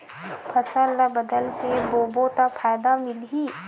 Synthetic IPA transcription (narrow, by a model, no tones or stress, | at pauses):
pʰɐsəlabɐd̪əlt̪eboːbot̪apʰaːjd̪amɪlɦi